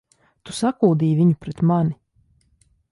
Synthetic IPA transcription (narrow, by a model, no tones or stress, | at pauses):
t̪usakuːd̪iːjvʲiɲupɾɛt̪mani